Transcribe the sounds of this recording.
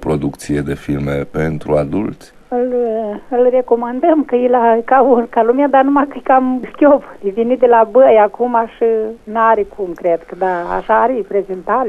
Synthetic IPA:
pɾo̞d̪ukt̪sied̪efilmḛpent̪ɾuad̪ṵlt̪sʲ | ɨlɨlre̞ko̞mand̪əmkəjilakaunkalumead̪anumakɨkamskʲop̪ivʲinit̪̚d̪elabəjakumaʃɨnaɾekʰumkɾed̪kəd̪aa̰ʃaːɾipɾezint̪al

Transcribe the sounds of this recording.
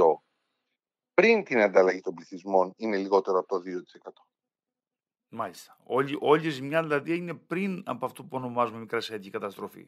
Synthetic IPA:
o̞ | pɾint̪inɐnd̪ɐlɐʝit̪o̞mbliθizmo̞nine̞liɣo̞t̪e̞ɾoɐpot̪oðiot̪i̥se̞kɐt̪o̞̥ | mɐʎist̪ɐ̥oiʔo̞ʎizmɲɐðilɐðiine̞pɾinɐpoɐft̪opuo̞no̞mɐzumemikɾɐsiɐcikɐt̪ɐst̪ɾo̞fḭ

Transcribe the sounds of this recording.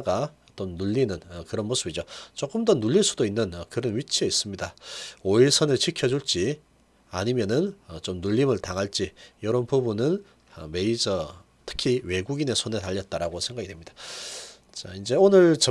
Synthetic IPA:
ɡaʌt͈ʌnːuʎːinɯnʌkɯɾʌnmos͈ʰɯbid͡ʑot͡ɕ͈ok͈ɯmdʌnuʎːiɭs͈udoinːɯnʌkɯɾɯnɥit͡ɕʰieis͈ɯmɲidaoiɭsʰʌnɯɭt͡ɕʰikʰjʌd͡ʑuɭt͡ɕ͈i | aɲimjʌnɯnʌt͡ɕomnuʎːimɯɭtaŋɦaɭt͡ɕ͈ijʌɾʌnpubunɯn | ʌ̰me̞id͡ʑʌ | tʰɯ̥kʰiwe̞ɡuɡine̞sʰone̞taʎːʌt̚t͈aɾaɡosʰe̞ŋɡaɡidwe̞mɲid̥a | t͡ɕaind͡ʑe̞onɯɭt͡ɕʌ

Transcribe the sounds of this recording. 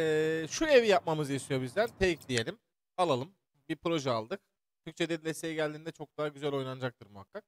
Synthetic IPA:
ɛːʃue̞vijap̚mamɯzist̪ʰijo̞bizlʲæɾt̪ʰejiclʲije̞lʲim | alˠalˠɯm | bipɾo̞ʒɛalˠd̪ɯk̚ | t̪ʰyc̚ʲt͡ʃʰed̪ɛd̪ilʲesejɛɟælʲd̪iːnd̪ɛt͡ʃʰo̞k̚d̪aɦaɟyzælʲo̞jnanɯd͡ʒak̚t̪ɯɾmuhakːak̚

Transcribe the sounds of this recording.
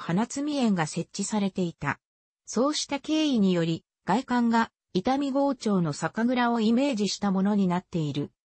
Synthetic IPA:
hanat͡sɨmʲiẽ̞ŋɡase̞t͡ɕɕisaɾe̞t̪e̞it̪a̰ | so̞ːɕi̥t̪ake̞ːiɲ̟ijo̞ɾʲi | ɡ̥aikãŋɡa | it̪amʲiɡo̞ːt͡ɕo̞ːno̞sakaɡɯ̟ɾao̞ime̞ːʑiɕi̥t̪amo̞no̞ɲ̟inat̪ːe̞iɾɯ̟

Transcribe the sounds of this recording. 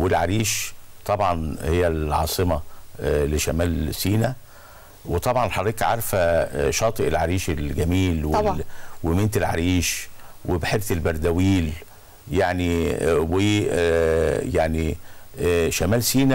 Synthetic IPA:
welʕaɾiːʃt̪ˤɑbʕɑnhejːælʕɑ̰ːsˤɨmɑleʃæmæːlsiːnæ | wet̪ˤɑbʕɑnħɑrˤːiːkʕɑɾˤfæʃɑːt̪ˤɨʔelʕaɾiːʃelɡæmiːlweɑwement̪elʕa̰ɾiːʃwebħeɾθelbɑɾˤd̪æwiːl | jaʕniwe | jaʕni | ʃæmæːlsiːnæ

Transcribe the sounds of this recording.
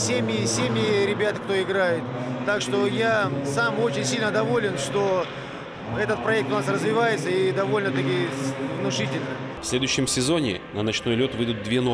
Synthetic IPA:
sʲemʲɪɪsʲemʲjɪɾʲɪbʲat̪kt̪o̞ɪɡɾajɪt̪ːakʂt̪o̞jasamo̞t͡ɕɪnʲsʲilʲnəd̪ɐvo̞lʲɪnʂt̪o̞ | ɛt̪ət̪̚pɾɐɛk̚t̪ʊnasrəzvʲɪvajɪt̪səid̪ɐvo̞lʲnət̪ɐkʲijəvnʊʂɨtʲɪlʲnə | fsʲlʲe̞d̪ʊjɕːɪmsʲɪzo̞nʲɪ̰nənɐt͡ɕno̞jlʲo̞t̪vɨjd̪ʊt̪̚d̪vʲeno

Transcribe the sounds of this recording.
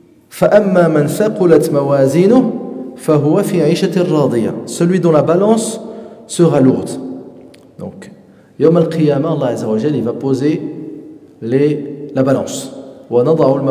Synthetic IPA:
faʔæmːæmənsaqʊlat̪mæwæzinʊhfaɦʊwæfiʕiʃarˤːɑːd̪ˤəja̰səlɥid̪ɔ̃labalɑ̃sː | əʁalʊɣt̪ | d̪̥ɔ̰̃k | jowməlqʰəjæmaɑlˤːɑʕazːawəʒəlːivapoze | lelabalɑ̰̃swənɑd̪ˤɑʕʊlm

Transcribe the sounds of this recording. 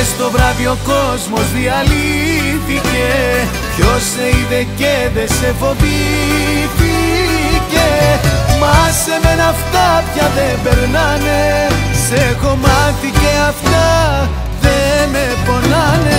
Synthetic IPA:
st̪o̞vɾɐvio̞ko̞zmo̞zðiɐliθice̞ | ço̞seiðeceðesefo̞bi | θicemɐse̞menɐft̪ɐpçɐðembeɾnɐnesexo̞mɐθiceɐft̪ɐ | ðemepo̞nɐne

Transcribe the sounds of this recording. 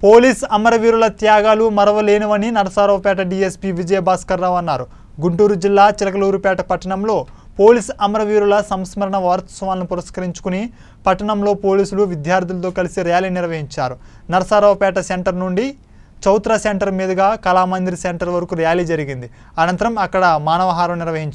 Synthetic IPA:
po̞ːliːsɐmɐɾɐʋiːɾulɐt̪jaːɡaːlumɐɾɐʋɐle̞ːnuʋɐninɐɾɐsaːɾɐʋɐpɛːʈɐɖiːespiːʋid͡ʒɐjɐbaːskɐɾːaːʋɐnːaːɾu | ɡuɳʈuːɾud͡ʒilːaːt͡ʃilɐkɐluːɾupɛːʈɐpɐʈːɐɳɐmlo̞ː | po̞ːliːsɐmɐɾɐʋiːɾulɐsɐmsmɐɾɐɳɐʋaːɾɐt̪ɐsɐʋaːlɐnupuɾɐskɐɾiɲt͡ʃu̥kuni | pɐʈːɐɳɐmlo̞ːpo̞ːliːsuluʋid̪jaːɾd̪ilɐt̪o̞ːkɐlisiɾijaːliniɾʋɐɦiɲt͡ʃaːɾu | nɐɾɐsaːɾɐːʋɐpɛːʈɐseɳʈɐɾnuɳɖi | t͡ʃɐwt̪ɾaseɳʈɐɾmiːd̪ɐɡaːkɐlaːmɐnd̪iɾiseɳʈɐɾʋɐɾɐkuɾijaːliːd͡ʒɐɾiɡind̪i | ɐnɐnt̪ɐɾɐmɐkːɐɽɐmaːnɐʋɐɦaːɾɐmniɾʋɐɦiɲt͡ʃ

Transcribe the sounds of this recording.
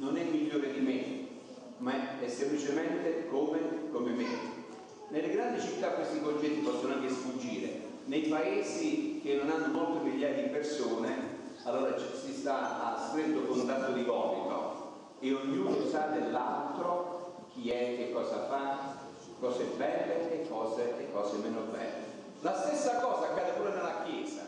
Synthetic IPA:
nonɛmːiʎːoːɾed̪ime | maɛsːemplit͡ʃement̪ekomekomeme | nelːeɡɾand̪it͡ʃit̪ːakːwest̪ikont͡ʃɛt̪ːipɔsːonoaŋkesfud͡ʒːiːɾḛ | nejpaeːzik̟enːonanːomolt̪ɪmiʎːaːjad̪ipersoːne | alːoːɾat͡ʃsist̪aast̪ɾet̪ːokont̪at̪ːod̪ivɔːlit̪o̰ | eoɲːuːnosad̪elːalt̪ɾok̟iɛk̟ːekːɔːsafa | kːɔːzebɛlːeːkʰːɔːzeekːɔːzemɛːnobɛ̰lːe | last̪esːakɔːzakːaːd̪epɔːlonelːakjɛːza̰

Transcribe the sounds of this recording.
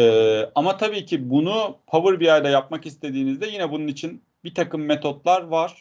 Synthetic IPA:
ɛːamat̪ʰabiːcʰibunupʰavɯɾbiajd̪ajapmakist̪ʰe̞d̪iːnizd̪ɛjinɛbununit͡ʃʰin | bit̪ʰakɯmːet̪ʰo̞t̪lˠaɾvaɾ̥

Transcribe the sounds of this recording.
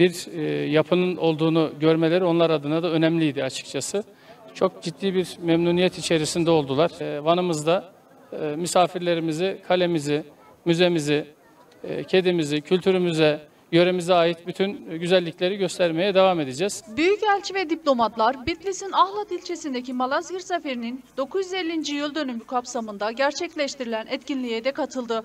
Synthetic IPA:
biɾjapʰɯnɯno̞lˠd̪uːnuɟø̞ɾme̞lʲeɾio̞nlˠaɾad̪ɯnad̪aø̞nɛmlʲijd̪iat͡ʃʰɯ̥k̚t͡ʃʰasɯ | t͡ʃʰo̞k̚d͡ʒid̪ːiːbiɾmɛmnuːnijɛt̪it͡ʃʰe̞ɾisind̪ɛo̞lˠd̪ulˠaɾ̥vanɯmɯzd̪a | mysaːfiɾlʲe̞ɾimizikʰalʲe̞mizɪ | myze̞mizi | cʰe̞d̪imizicʰylʲt̪ʰyɾymyzɛ | jø̞ɾemizɛaːjit̪byt̪ʰynɟyzælʲːicʰʲlʲe̞ɾiɟø̞st̪ʰæɾme̞jɛd̪evame̞d̪ed͡ʒɛːz̥byjycælʲt͡ʃʰivɛd̪iplʲo̞mat̪lˠaɾbit̪lʲisinaxlˠat̪ilʲt͡ʃʰe̞sind̪ecimalˠazɡɯɾsafeɾinind̪o̞kujyzelʲːind͡ʒijylʲd̪ø̞nymykʰapsamɯnd̪aɟæɾt͡ʃʰɛclʲɛʃt̪iɾilʲænʔɛt̪cinlʲijed̪ɛkʰat̪ʰɯlˠd̪ɯ

